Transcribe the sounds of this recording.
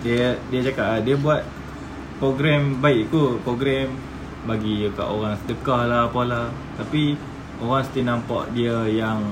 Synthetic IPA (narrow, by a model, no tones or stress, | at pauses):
diədiət͡ʃakaʔdiəbuat̪̚ | pɾoɡɾɛmbaiʔt̪upɾoɡɾɛm | baɡika̰ʔoɣaŋsə̥t̪əkahlahpahla | t̪api | oɣaŋsə̥t̪inampa̰ʔdiəjaŋ